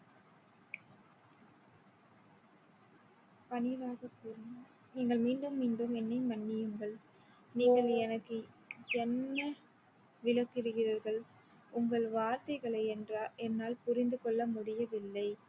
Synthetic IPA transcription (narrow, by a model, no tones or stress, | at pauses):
pɐnɪʋaːɣɐkːuːɾnɐ | niːŋɡɐɭmiːɳɖɯmːiːɳɖɯmɛnːɐɪmɐnːɪjɯŋɡɐɭ | niːɡɐɭɛnɐkːɯ | ɛnːɐ | ʋɪlɐkːɪɾɯɣɪraːɾɣɐɭ | ʊŋɡɐɭʋaːɾt̪ɐɪɣɐɭɐɪɛndraːʔɛnːaːlpʊɾɪnd̪ɯkɔɭːɐmʊɽɪjɐʋɪlːɐɪ